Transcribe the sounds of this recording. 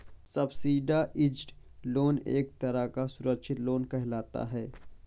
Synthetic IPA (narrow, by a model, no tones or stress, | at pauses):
sɐbsiːɖaʔɪd͡ʒʈ | loːnḛːk̚t̪ɐɾakasʊɾəkʃʰɪt̪loːnkɛɦlaːt̪a̰ɦɛː